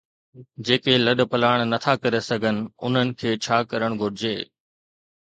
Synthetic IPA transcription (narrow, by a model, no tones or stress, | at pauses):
d͡ʑeːkelɐɗpɐlaːɽ̃nɐt̪ʰakɐɾesɐɡʱənɪ̆ʊ̰n̤ənɪ̆kʰeːt͡ɕʰaːkɐɾəɽ̃ɡʱʊɽɪd͡ʑeː